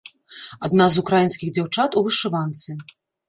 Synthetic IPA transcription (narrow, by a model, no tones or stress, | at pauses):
ad̪nazukɾajinskʲiɣd͡zʲawt͡ʂat̪uvɨʂɨvant̪sɨ